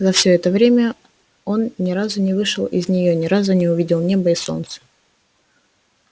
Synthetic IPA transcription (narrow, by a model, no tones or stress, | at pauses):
zɐfsʲoɛt̪əvɾʲemʲə | o̞nnʲɪɾazʊnʲɪvɨʂɨlˠɪ̰zʲnʲɪjonʲɪɾazʊnʲɪʊvʲidʲɪlˠnʲebəɪso̞̰nt̪sə̥